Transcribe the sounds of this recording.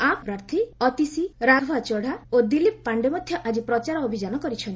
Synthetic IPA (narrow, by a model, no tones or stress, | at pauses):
ampɾaɾt̪ʰiɔt̪isiɾaɡʱɔat͡ʃɔɽ̤aod̪ilip̚paɳɖemɔd̪ʱjɔʔad͡ʒipɾɔt͡ʃaɾɔobʱid͡ʒanɔkɔɾit͡ʃʰɔn